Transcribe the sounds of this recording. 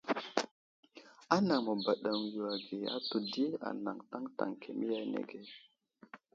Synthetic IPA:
a˦na˨ŋmo˨ba˨ɗa˨ŋ˨jo˨a˨ɡe˨a̰˦to˨di˦e˦a̰˨na̰˨ŋta˦ŋta̰˨ŋkʰe˨mi˦ja˦jnḛ˨ɡe˨

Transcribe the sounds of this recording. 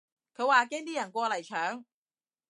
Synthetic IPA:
kʰɵ˨˧ɥwaː˨kɛː˥ŋt̪iː˥jɐ˨˩nkʷɔː˧lɐ˨˩jt͡ʃʰœː˨˥ŋ

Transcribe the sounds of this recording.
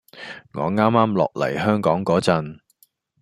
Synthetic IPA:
ŋɔː˨˧ŋaː˥mːaː˥mlɔ̰ː˨k̚lɐ̰˨˩jhœː˥ŋkɔː˨˥ŋkɔː˨˥t͡sɐ˧n

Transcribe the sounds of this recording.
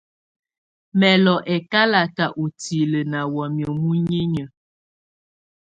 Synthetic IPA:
mɛ˨lɔ˨ʔɛ˨ka˦la˨ta˨ʔo˨ti˨lə˨na˨wɔ˨mjɔ˨mu˦ɲe˦ɲə˨

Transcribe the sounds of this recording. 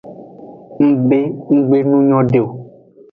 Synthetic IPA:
ŋ̩˦be˦ŋ̩˦ɡ͡be˦nũ˦ɲɔ̃˦ɖe˨o˨

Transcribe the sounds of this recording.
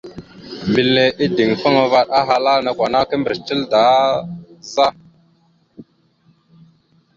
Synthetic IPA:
mbi˨lːe˨ʔi˦di˨ŋfa˦ŋa˨va˦ɗa˦ɦa˦la˦na˨kʷa˨na˦kə˦mbə˨ɾt͡ʃi˦lda˨˦ | za˦

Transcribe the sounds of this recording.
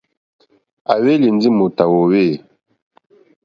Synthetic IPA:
a˨we˦li˨nd͡zi˦mu˨ta˨wo˨we˦˨

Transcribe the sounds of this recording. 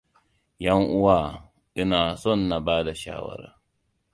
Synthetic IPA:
jɐ˦ŋʔʊ˦waː˦˨ | ʔɪ˦naː˨sɔ˦˨nːa˨baː˦da˨ʃa̰ː˦wɐ̰˦ɾa̰ː˨˦

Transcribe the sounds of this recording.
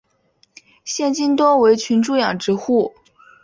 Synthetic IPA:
ɕjɛ˥˧nt͡ɕi˥nt̪wɔ˥we˧˥ɪt͡ɕʰy˧˥nʈ͡ʂu˥˩jɑ˨˩ŋʈ͡ʂɻ̩˧˥xu˥˩

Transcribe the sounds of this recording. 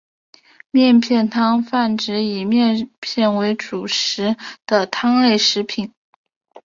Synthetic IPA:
mjɛ˥˧npʰjɛ˥˩nt̪ʰɑ˥ŋfa˥˩nʈ͡ʂɻ̩˧˥i˨˩mjɛ˥˧npʰjɛ˥˩nwe˧˥ɪʈ͡ʂu˨˩ʂɻ̩˧˥d̪̥ə˧t̪ʰɑ˥ŋle˥˩ɪʂɻ̩˧˥pʰi˨˩˦n

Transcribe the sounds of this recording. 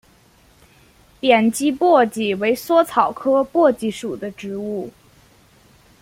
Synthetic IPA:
pjɛ˨˩nt͡ɕi˥pwɔ˥˩t͡ɕi˨˩we˧˥ɪswɔ˥t͡sʰɑ˨˩ʊkʰɤ˥pwɔ˥˩t͡ɕi˧˥˩ʂu˨˩d̪ə˦ʈ͡ʂɻ̩˧˥u˥˩

